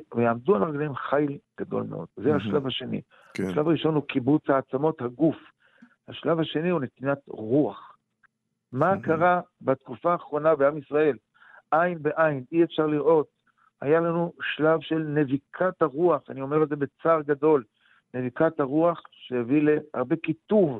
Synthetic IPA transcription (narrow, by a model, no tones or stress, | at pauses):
vejaːmdualaʁɡlaemχajlɡ̥ad̪o̞̰lmeʔo̞̰d̪̥zehaʃlavhaʃe̞nḭ | aʃlavaʁiʃo̞nhukibut͡shaːt͡samo̞t̪haɡuf | haʃlavhaʃe̞nihunet̪inat̪ʁuaχ | makaʁabat̪kufaːχʁo̞nabeamisʁae̞l | ʔajnbeʔajniefʃaʁliʁʔo̞t̪̚ | ha̰jalanuʃlavʃe̞lnevikʰat̪haʁuaχanio̞meʁelzebe̞t͡saʁɡado̞l | ne̞vikat̪haʁuaχʃejevileha̰ʁbe̞kit̪uv